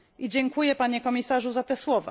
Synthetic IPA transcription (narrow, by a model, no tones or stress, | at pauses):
ʔid͡ʑɛŋkujɛpaɲɛkɔmʲisaʐuzat̪ɛswɔva̰